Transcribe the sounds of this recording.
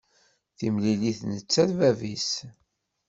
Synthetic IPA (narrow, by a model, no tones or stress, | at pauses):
θimliliθnət͡sːæðvævis